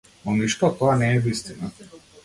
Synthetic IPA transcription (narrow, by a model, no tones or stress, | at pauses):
nɔniʃt̪ɔt̪ɔanɛːvist̪ina